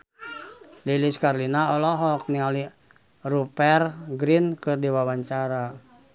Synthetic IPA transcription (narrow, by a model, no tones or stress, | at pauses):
liliskarlinaɔlɔɦɔk̚niŋali | rupɛrɡɾinkɨrdiwawaɲt͡ʃaɾa